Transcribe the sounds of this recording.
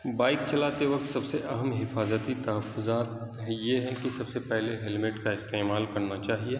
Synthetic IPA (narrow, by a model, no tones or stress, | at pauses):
baːɪk̚t͡ʃɐlaːt̪eʋɐk̚t̪sɐbseʔɐɦəmɦɪfaːzət̪it̪ɐɦəfːʊzaːt̪ɦjeɦɛ̃kisɐbsepɛɦleɦɛlmɪʈkaɪst̪eːmaːlkɐɾnat͡ʃaːɦieː